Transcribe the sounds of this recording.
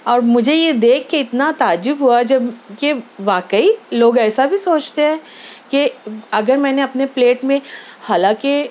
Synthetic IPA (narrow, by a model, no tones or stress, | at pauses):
ɔːɾmʊd͡ʒʱejed̪eːkʰːeɪt̪nat̪aːd͡ʒʊbɦuad͡ʒɐbkeʋaːkəiloːɡɛːsabʱisoːt͡ʃt̪eɦɛ̃ːkeɐɡəɾmɛ̃ːneɐpnepleːʈmẽhaːlãːke